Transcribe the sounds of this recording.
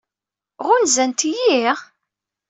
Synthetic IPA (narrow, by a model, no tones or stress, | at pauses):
ʁʊnzænt̪jiʁ